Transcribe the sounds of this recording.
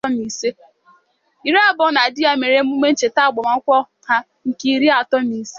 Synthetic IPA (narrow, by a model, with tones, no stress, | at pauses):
ɔ˦mi˨se˦ | i˨ɾi˦a˦bɔ˦na˨dɪ˦ja˦me˨ɾe˦m̩˦u˦me˦n̩˦t͡ʃe˨ta˦˨ɡ͡bɔ˨ma˨˦kʷɔ˦ | ha˦ | ŋ̩˨ki˦ɾi˦a˨tɔ˦mi˨se˦